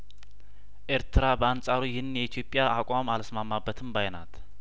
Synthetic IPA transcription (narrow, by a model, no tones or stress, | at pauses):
ʔeɾt̪ʰɨɾabəant͡sʼaɾujɪnːjɛit̪ʰjo̞pʼːjaakʼamalsmamːabːət̪ʰɨmbajna̰t̪